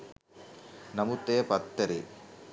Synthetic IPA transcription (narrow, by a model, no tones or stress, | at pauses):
nɐmut̪eːpɐt̪ːɐɾi